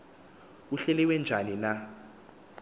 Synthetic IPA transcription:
uɬɛlɛwɛnd͡ʒʱanina

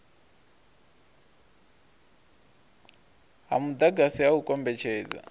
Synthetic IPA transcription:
ɦa̰mud̪aɡasiaukʼɔmbɛt͡ʃʰɛːd͡za̰

